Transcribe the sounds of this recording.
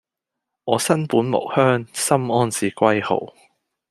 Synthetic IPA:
ŋɔː˨˧sɐ˥npuː˨˥nmo̰˨˩whœː˥ŋsɐ˥mɔː˥nsiː˨kʷɐ˥jho̰˨˩w

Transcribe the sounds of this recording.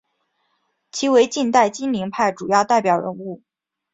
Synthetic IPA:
t͡ɕʰi˧˥we˧˥ɪt͡ɕi˥˧nt̪a˥˩ɪt͡ɕi˥nli˧˥ŋpʰa˥˩ɪʈ͡ʂu˨˩jɑ˥˧ʊt̪a˥˩ɪpjɑ˨˩ʊɻə̰˧˥nu˥˩

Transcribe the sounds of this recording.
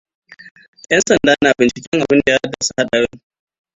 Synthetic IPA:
jɐ˦nsɐ˨ndaː˦naː˨bɪ˨nt͡ʃɪ˨kʲɛ˦ŋʔa˨bɪ˦nda˨jaː˦dːa˨su̥˦ha˦ɗɐ˨ɽɪ˦ŋ

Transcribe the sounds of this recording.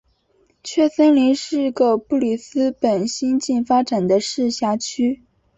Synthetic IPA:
t͡ɕʰɥɛ˥˩sə˥nli˧˥nʂɻ̩˥˩˥ɡə˧pu˥˩li˨˩sɹ̩˥pə˨˩nɕi˥nt͡ɕi˥˩nfa˥ʈ͡ʂa˨˩nd̪ə˦ʂɻ̩˥˧ɕja˥˩t͡ɕʰy˥

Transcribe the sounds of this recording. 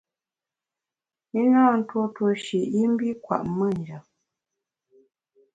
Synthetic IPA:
i˦nɔ̃ː˦˨n̩˦two˦two˧ʃi˨ʔi˦m̩˦bi˦kwa̰˨ʔmə˦˨n˨d͡ʒa˨

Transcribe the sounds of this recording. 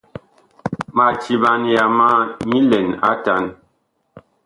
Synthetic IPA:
ma˨t͡ʃi˨ba˨nja˨ma˦ɲi˦lɛ˨na̰˦ta˨˦n

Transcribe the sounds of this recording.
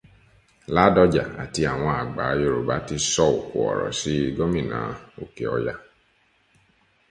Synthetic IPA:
la˦dɔ˧d͡ʒa˨a̰˨ti˧a˨w̃ɔ̃˧a˨ɡ͡ba˨˦je˧˨ɾo˨ba˨˦ti˧sɔ˧o˨ku˨ɔ̰˨ɾɔ̰˨si˨˦˧ɡɔ˦mĩ˦˨nã̰˨˦o˨ke˨ɔ̰˧ja˧

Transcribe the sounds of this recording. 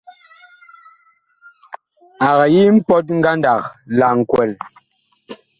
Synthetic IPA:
a˨ɣa˨ji˦m̩˦pɔ˦t̬̚ŋ̩˦ɡa˦nda˨kla˨ŋ̩˨kwɛ˨l

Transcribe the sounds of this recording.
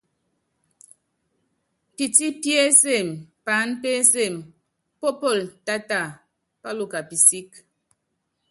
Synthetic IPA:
pi˨ti˦pje˦se˦˨mpa˨˦npe˦se˦˨m | pɔ˦pɔ˦˨lta˦ta˦˨ | pa˦lo˦ka˨pi˨si˦k

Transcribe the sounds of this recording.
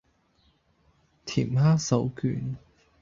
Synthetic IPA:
t̪ʰḭː˨˩mɦaː˥sɐ˨˥wkyː˨˥n

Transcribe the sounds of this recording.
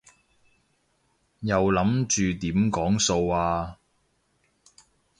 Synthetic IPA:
jɐ˨wlɐ˨˥mt͡ʃyː˨t̪iː˨˥mkɔː˨˥ŋso˧waː˧

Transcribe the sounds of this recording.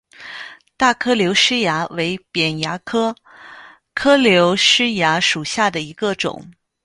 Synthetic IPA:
t̪a˥˩kʰɤ˥ljo˧˥ʊʂɻ̩˥ja˧˥we˧˥ɪpjɛ˨˩nja˧˥kʰɤ˥ | kʰɤ˥ljo˧˥ʊʂɻ̩˥ja˧˥ʂu˨˩ɕja˥˩d̪ə˩i˧˥ɡə˧ʈ͡ʂʊ̰˨˩˦ŋ

